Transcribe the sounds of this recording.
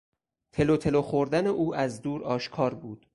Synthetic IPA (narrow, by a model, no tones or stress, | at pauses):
t̪ʰe̞lot̪ʰe̞loxoɾd̪æneʔuːæzd̪uːɾɒːʃkʰɒːɾbuːd̪̥